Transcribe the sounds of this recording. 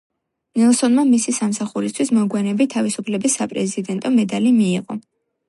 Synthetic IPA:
nɛlˠsɔnmamisisamsaχuɾist̪ʰwismɔɡwɛnɛbit̪ʰavisupʰlɛbisːapʼɾɛzid̪ɛnt̪ʼɔmɛd̪alimiːqʼɔ̰

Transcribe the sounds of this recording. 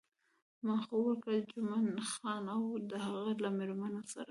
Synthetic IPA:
mɑxowəɾkad͡ʒʊmanxɑnawd̪əhaɣalameɾmanosa̰ɾa

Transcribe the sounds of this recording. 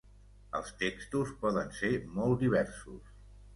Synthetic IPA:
əlˠst̪ekst̪uspɔðənsemɔlˠd̪iβ̞ɛrsus

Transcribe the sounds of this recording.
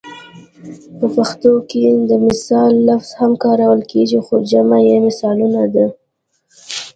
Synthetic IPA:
pəpaxt̪oked̪əmɪsɑlːafz̥hamkɑɾawəlkeɡixod͡ʒamajemɪsɑlunad̪a

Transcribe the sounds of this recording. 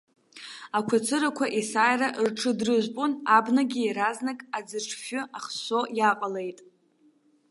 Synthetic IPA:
akʷʰat͡sʰɨɾakʷʰaʔisajraʔrʈ͡ʂʰɨdrɨʒʷpʼunabnaɡʲiːɾaznakʼad͡zɨʈ͡ʂʰfʊʔaχʃojaqʼale̞jtʼ

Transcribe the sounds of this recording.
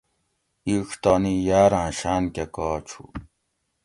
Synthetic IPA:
iʂt̪anijaːɾãːɕaːnkekaːt͡ɕʰṵ

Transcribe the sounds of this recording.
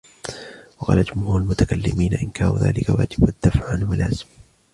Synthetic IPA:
wɑqɑ̰ːlad͡ʒʊmhuːɾalmʊt̪akalːɪmiːnaʔɪnkʰaːɾṵða̰ːlɪkawa̰ːd͡ʒɪbad̪̥ːafʕanwalaːzɪm

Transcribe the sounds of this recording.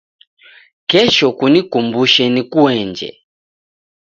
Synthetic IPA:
kɛʃɔkunikumbuʃɛnikuɛɲd͡ʒɛ̰

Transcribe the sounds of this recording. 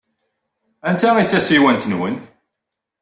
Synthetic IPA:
ænt̪æit͡sːæsiwænt̪nwən

